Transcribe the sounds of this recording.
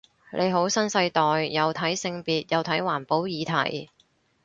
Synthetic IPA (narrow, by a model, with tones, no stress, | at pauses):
lʔe˨˧jɦo˨˥wsɐ˥nsɐ˧jt̪ɔː˨jːɐ˨˧wt̪ʰɐ˨˥jsɪ˧ŋpiː˨t̚jɐ˨˧wt̪ʰɐ˨˥jwaː˨˩npo˨˥wjiː˨˧t̪ʰɐ̰˨˩j